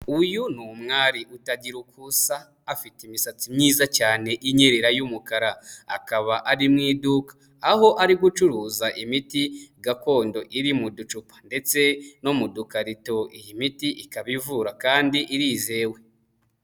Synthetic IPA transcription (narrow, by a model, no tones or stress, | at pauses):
ujunumŋaːɾiʔutaɟiɾukʰusaː | fitimisat͡simɲiːzacaːne̞ʔiɲeɾeɾajumukaɾaa̰kaβaʔaɾimŋiːdukḁ | aho̞ʔaɾiɡut͡ʃuɾuːzaʔimitiɡako̞ːndo̞ʔiɾimudut͡ʃupḁnde̞t͡se̞no̞mudukaɾito̞ijimitiʔikaβivuɾakaːndiʔiɾiːze̞ːwe̞